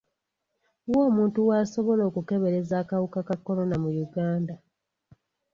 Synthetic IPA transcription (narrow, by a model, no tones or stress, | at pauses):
woːmuːntuwaːso̞βo̞lo̞ːkuke̞βeɾe̞zaːkawukakakːo̞lo̞namujuɡaːnda